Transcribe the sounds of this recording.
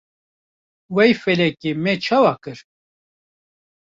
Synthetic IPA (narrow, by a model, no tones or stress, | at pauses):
wɛjfɛlɛkimɛt͡ʃʰawakɨɾ